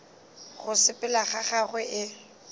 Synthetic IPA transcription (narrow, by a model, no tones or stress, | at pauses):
ɣʊsɪpʼɪlaχaχaɣwɛʔɪ